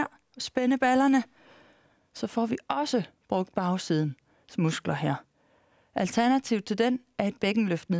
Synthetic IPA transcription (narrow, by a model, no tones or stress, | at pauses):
ɐ̰sb̥enəb̥ælɐnə | sɒ̽fɒʋiɒ̽səb̥ʁɔ̽ɡ̥d̥̚b̥ɑ̈ʊsið̞ˠn̩ | smusɡ̥lɐɦeɐ̰ | ʔælt͡sʰæɐnæt͡sʰiʊð̥ˠt͡sʰe̝ld̥en | æɐe̝d̥̚b̥eɡ̥n̩løfd̥n̩